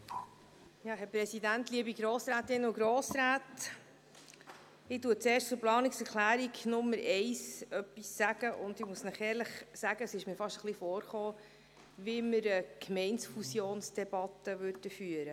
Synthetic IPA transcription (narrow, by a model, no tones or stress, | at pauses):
jɑːɦɛɾpɾɛsidænt̪liəbiɡɾoːsɾæːt̪ɪnʊɡɾoːsɾæːt | ɪtuːət̚t͡seːɾʃtt͡sʊɾplɑːniksɛɾklæːɾiɡnʊmːəɾɛɪsœpːisːæɡ̥əʔʊndɪmusnæχɛːɾləχsæɡ̥əəsɪʃmiːɾfɑʃtəχlifɔːɾχoː | ʋiməɾəkmɛɪnsfusjoːnsd̥ɛb̥ɑt̪əʋøɾdəfyːəɾə